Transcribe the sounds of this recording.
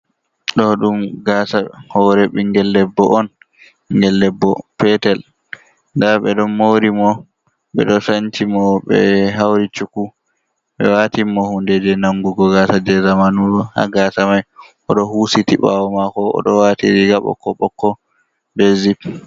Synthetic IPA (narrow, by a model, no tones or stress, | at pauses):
ɗɔɗumɡaːsahɔɾɛɓiŋɡɛlːɛbːɔʔɔn | ŋɡɛlːɛbːɔpɛtɛl | ndaɓɛɗɔmoɾimɔ | ɓɛ̰ɗɔsant͡ʃimɔɓɛ̰ɦawɾit͡ʃuku | ɓɛ̰watimɔhundɛd͡ʒɛnaŋɡuɡɔɡasad͡ʒɛzamanuɗɔha̰ɡaːsamajʔɔɗɔhusitiɓa̰wɔmakɔɔ̰ɗɔwatiɾiɡaɓɔ̰kːɔ̰ɓɔkːɔ | bɛzip